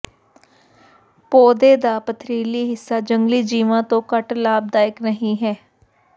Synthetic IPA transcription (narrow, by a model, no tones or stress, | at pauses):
poːd̪eːd̪aːpət̪ʰɾiːliːɦɪsːaːd͡ʒəŋɡliːd͡ʒiːʋãːt̪õːkəʈlaːb̚d̪aːɪknəɦĩːɦɛː